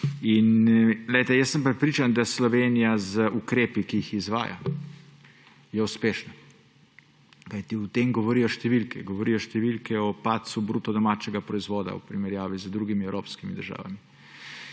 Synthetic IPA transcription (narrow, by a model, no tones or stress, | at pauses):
inlɛjt̪ɛjəsːəmpɾɛt̪pɾiːt͡ʃand̪aslɔʋenijazəukɾeːpikiixizʋa̰ːja̰ | jɛuspeːʃna | kajt̪iut̪eːmɡɔʋɔɾijɔʃt̪ɛʋilkʰɛ̰ɡɔʋɔɾijɔʃt̪ɛʋilkɛɔpaːt̪subɾuːt̪ɔd̪ɔmaːt͡ʃɛɡapɾɔizʋoːd̪a̰ṵpɾimɛɾjaːʋizəd̪ɾuːɡimiɛwɾoːpskimid̪əɾʒa̰ːʋa̰mi